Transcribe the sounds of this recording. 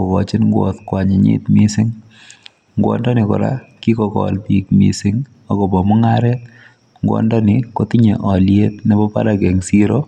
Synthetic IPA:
ɔ˨kɔ˨t͡ʃi˦nŋɡwɔ̰t̪kwa˨ɲɪ˨ɲḭ˦t̪mi˦sɪ˦ŋ | ŋɡwɔ̰ndɔ˦nɪ˨kɔ̰˨ɾa̰ki˦kɔkɔ̰lpikmḭ˨sɪ˦ŋ | ɔ˨kɔ˨bɔ˨mɔ˦ŋaɾɛt̪̚ | ŋɡwɔ̰˦ndɔ˦nɪko˦ti˦ɲe˨ʔɔ˨lje˦t̪ne˦bɔ˦pa̰˦ɾa˨ɡɛ˨ŋsi˦ɾo

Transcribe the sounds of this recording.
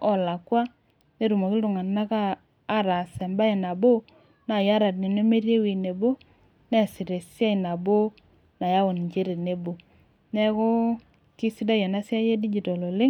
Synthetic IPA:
ɔ˨la˨kwa˦ | ne˦ɾu˨mɔ˨kɪ˦dʊ˨ŋa˨na˦kaː˦ | ɾa˨sɛ˨mba˦e˨na˨bo˦ | na˨ja˦ɾa˨tne˨ne˦me˦ɾje˦wi˨ne˨bo˦ | nɛ˦˨si˨ɾe˨sja˦i˨na˨bo˦ | na˨ja˦wo˨n˨ɲt͡ʃe˦ɾe˨ne˨bo˨ | nɛ˦ko˦ | ki˦si˦da˦jɛ˨na˦sja˦je˦di˦d͡ʒi˨tɔ˨lo˨lɪ˦

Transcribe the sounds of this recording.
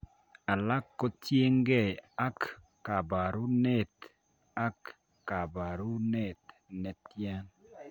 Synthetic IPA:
a˨la˦kːɔ˦tje˦ŋɡɛ˦˨a˦kː | a˨ba˨ɾu˦ne˨t̪ | a˦kː | a˨ba˨ɾu˦ne˦˨t̪ | nɛ˨t̪ja˦n

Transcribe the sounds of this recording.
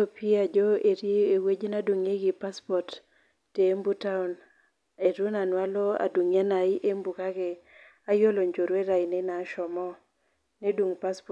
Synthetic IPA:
opi˦a˨d͡ʒɔ˦e˨ɾie˦e˨we˦d͡ʒna˦du˨ŋe˦ɡɪ˨pa˦spɔ˨tː | e˨˦mbu˦ta˦ʊ˨n | e˨ɾu˦na˨nwa˦lɔ˦a̰˨du˨ŋa˦na˨ɪ˦ʔe˦mbu˨ka˦ɡɛ˨ | a˦jo˦lo˨ɲd͡ʒo˨ɾwe˦ɾa˨ɪnɛ˦na˨ʃɔ˨mɔ˦ | ne˦dwu˨ŋpa˦sp

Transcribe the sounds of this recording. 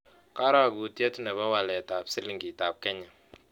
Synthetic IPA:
ka˦ɾa˦˨ɡu˨tjɛ˦tu˦nɛ˨ba˦wa˨lɛ˨ta˨psɪ˦li˦ŋɡi˨ta˨p̚kɛ˦ɲɛ˨

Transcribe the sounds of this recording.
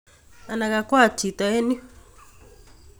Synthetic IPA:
a˨na˨ka˨kwa˦˨t͡ʃi˨t̪a˨ɛ˦ni˦

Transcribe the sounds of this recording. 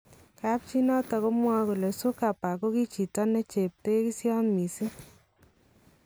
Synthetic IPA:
ka˦p̚t͡ʃi˦nɔ˦ta˧ko˦mwa˦ku˨le˨su˦ka˨pa˨ko˦ki˦t͡ʃi˨tɔ˦ne˦t͡ʃe˨p̚te˦ki˦sjɔ˦nmi˨si˦

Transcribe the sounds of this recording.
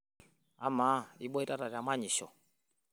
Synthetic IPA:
a˦ma˦i˦ɓɔ˦i˦ta˦ta˨ɾa˨ma˦ɲi˨ʃɔ̰˨

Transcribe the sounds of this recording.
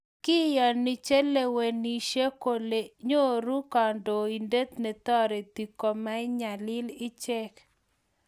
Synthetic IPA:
kɪ˦jɔ˨ni˨t͡ʃe˦le˨we˨ni˨ʃe˦ko˦le˨ɲo˦˨ɾu˦kɔ˨ndo˨i˨nde˦t̪ne˨t̪ɔ˦ɾe˨t̪i˨ko˨ma˦ɪ˦ɲa˨lɪ˦lɪ˦t͡ʃɛ˦k

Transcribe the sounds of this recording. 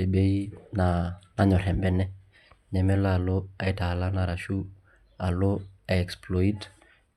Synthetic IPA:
e˨be˦i˦na˨na˦ɲɔ˨ɾɛ˨mbɛ˦nɛ˦ | ɲɛ˨mɛ˦laː˦˨lo˦a˨i˦ta˨la˦na˨ɾa˨ʃu˦ | a˨lo˦a˨ɛ˨ksplɔ˨i˦t

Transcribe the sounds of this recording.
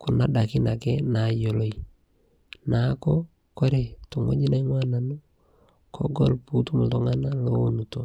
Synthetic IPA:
ku˨na˦da˨ki˦na˨kɛ˦na˨˦jo˨lo˦i˨ | na˨˦kɔ˦ | ko˦ɾe˨tu˨ŋo̰˦ɲi˦na˦ŋwa˦na˨nu˦ | kʰɔ̰˦ɡɔ˦lpu˦tu˦mu˨to˦ŋa˦na˦lo˦o˦nu˨to˨

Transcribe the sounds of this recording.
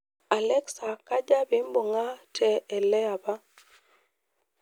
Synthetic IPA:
a˨lɛ˦ksa˨ka˦d͡ʒa˦bi˦mbo˨ŋa˦tʰɛ˨ɛ˨lɛ˦a˨ba˦

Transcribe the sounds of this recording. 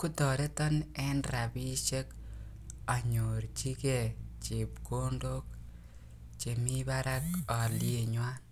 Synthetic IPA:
ku˦tɔ˨ɾe˦tɔ˦nɛ˦nɾa˨bi˦t͡ʃe˦k | a˨ɲo˨ɾt͡ʃi˦ke˨t͡ʃi˨pko˦ndo˦k̚ | t͡ʃe˨mi˦baɾa˦kɔ˨lje˨ɲwa˦n

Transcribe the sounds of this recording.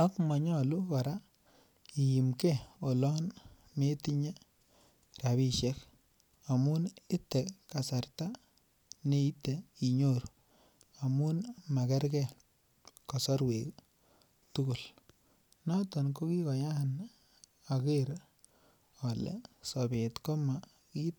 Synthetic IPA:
a˦kmɔ˨ɲɔ˦˨lu˦ka˨ɾa˦ | i˨ji˨mkɛ˦o˨lɔ˦n | me˦ti˦ɲe˦ | ra˨βi˦ʃɛ˦k | a˨mu˦nɪ˦tɛ˨ka˨sa˨rta˦ | ne˦i˦te˨i˨ɲo˦ɾ | a˨mu˦nma˨kɛ˦ɾkɛ˦ | kɔ˨sɔ˦ɾwe˨k | tu˦ku˨l | na˦tɔ˨nko˦ki˦kɔ˨ja˦˨n | a˨ke˦ɾ | ɔ˨lɛ̰˨sɔ˨be˨tko˦ma˨ | ki˦t

